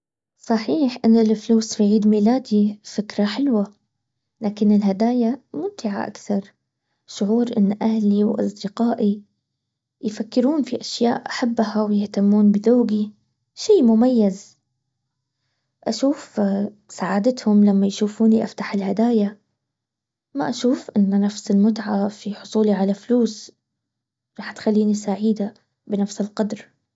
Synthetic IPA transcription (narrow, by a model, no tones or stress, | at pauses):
sˤɑħiːħʔɪnːɪlɪfluːsfiʕiːd̪miːlaːd̪ifɪkɾaħɪlwa | laːkɪnɪlɦad̪aːjamʊnt̪ɪʕa̰ʔa̰kθɑɾˤ | ʃʊʕuːɾʔɪnːʔahliwʔɑ̰s̬ˤd̪ɪqaːʔi | jfakːɪɾuːnfiʔaʃja̰ːʔʔaħabːhawjɪht̪amːuːnbɪðoːɡi | ʃiːmʊmajːaz | ʔaʃuːf | saʕaːd̪ɪt̪hʊmlamːajʃuːfuːniʔaft̪aħɪlhad̪aːja | maʔaʃuːfʔɪnːnafsɪlmʊt̪ʕafiħʊsˤuːliʕalafluːs | ɾˤɑːħt̪xalːiːnisaːʕiːd̪a | bɪnafsɪlqɑd̪ɾ